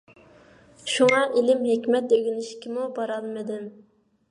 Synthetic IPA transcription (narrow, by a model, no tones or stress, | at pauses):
ʃuŋɑʔilɪmɦekʲmɛt̪øɡʲynɪʃkʲimubɑɾɑlˠmɨd̪ɪm